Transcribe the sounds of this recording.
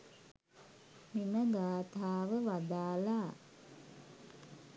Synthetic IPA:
miməɡaːt̪aːʋəʋad̪aːla

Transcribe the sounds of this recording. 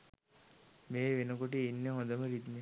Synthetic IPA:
meːʋenəkoʈ̬iinːeɦõnd̪əməɾid̪me

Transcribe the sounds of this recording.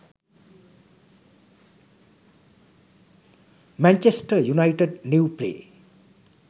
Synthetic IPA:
mant͡ʃesʈʌjunajʈedniwplḛ

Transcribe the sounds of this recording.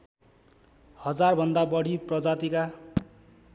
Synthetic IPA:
hʌd͡zarbʱʌnd̪abʌɽ̤ʱiprʌd͡zat̪ika

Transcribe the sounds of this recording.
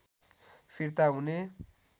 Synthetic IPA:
pʰiɾt̪aɦune

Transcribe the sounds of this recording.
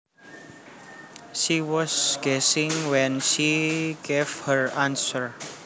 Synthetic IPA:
ʃiwɔsɡ̥ɛsɪ̃ŋwɛ̃nʃiɡevhəɹãnsəɹ

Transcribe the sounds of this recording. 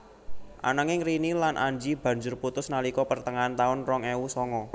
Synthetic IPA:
ʔa̰nəŋɪŋrinilanʔa̰ɲd͡ʒib̥ä̤ɲd͡ʒʊrput̪ʊsnalikɔpərt̪əŋant̪aʊnrɔŋeusɔŋɔ

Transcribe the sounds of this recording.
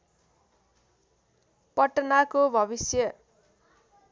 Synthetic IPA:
pʌʈːnakobʱʌbisjʌ

